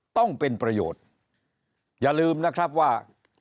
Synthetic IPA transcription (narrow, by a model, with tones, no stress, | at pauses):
t̪ɔ˥˩ŋpe˧npɾa˧jo̰ː˨˩t̪̚ | jaː˨˩lɯː˧mna˦˥kʰɾa˦˥p̚waː˥˩